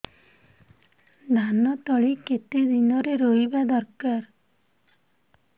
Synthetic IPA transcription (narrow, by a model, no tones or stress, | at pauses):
ɖ̪ʱanɔt̪ɔɭiket̪ed̪inɔɾeɾoibad̪ɔɾkaɾ